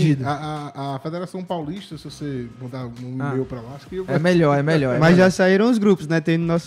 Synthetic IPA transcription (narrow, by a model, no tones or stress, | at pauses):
d͡ʒid̪ɐaːfed̪eɾasɐ̃w̃pawliʃt̪ɐsɪvosemɐ̃nd̪aũimejupɾɐlaskemeʎɔɾɛmɛʎɔɾɛmɐzʒasaiɾɐ̃w̃ʊzɡɾupʊznɛt̪ẽj̃d̪ʊnɔs